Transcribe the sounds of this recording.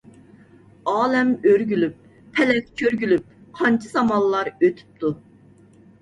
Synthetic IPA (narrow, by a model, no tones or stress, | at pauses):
ɑːlɛmøɾɡʲylyp̚ːʰ | ɛlɛkʲkʲʰøɾɡʲylyp̚qʰɑnt͡ʃʰiz̥ɑmɑlˠːɑɾøt̪ʰy̥p̚t̪ʰu